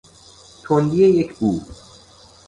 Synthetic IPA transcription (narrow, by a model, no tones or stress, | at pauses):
t̪ʰond̪ijejecʰbuː